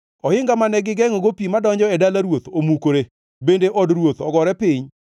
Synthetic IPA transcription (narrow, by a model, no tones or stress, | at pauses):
ɔhɪŋɡamanɛɡɪɡɛŋɔɡopimadɔɲd͡ʒɔɛdalaɾwot̪omukoɾe | bendeʔɔdɾwot̪ɔɡɔɾɛpɪɲ